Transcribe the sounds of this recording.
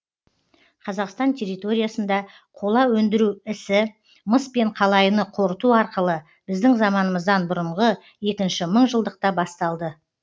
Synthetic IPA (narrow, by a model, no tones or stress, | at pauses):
qʰɑzɑqst̪ɑnt̪ʲʰe̞rːijt̪o̞ɾʲijasənd̪ɑ | qʰo̞lˠɑwɵnd̪ɪɾuɪsɪ | məspe̞ɴqʰɑlˠɑjənəqʰo̞ɾət̪uɑɾqəlˠə | b̥ɪzd̪ɪŋzɑmɑnəməzd̪ɑnbʊɾəɴʁə | je̞kʲɪnʃɪməɴʒəlˠd̪əq̚t̪ɑbɑst̪ɑlˠd̪ə